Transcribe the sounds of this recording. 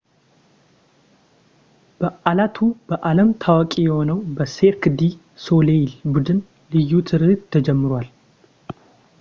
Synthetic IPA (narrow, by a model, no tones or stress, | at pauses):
b̥əʔalat̪ʰubəʔaləmt̪ʰawkʼijɛho̞nəwbəse̞ɾkd̪i | so̞lelbud̪ɨn | lɨjːut̪ʰɨɾɨɨt̪ʰːəd͡ʒɛmːɨɾwal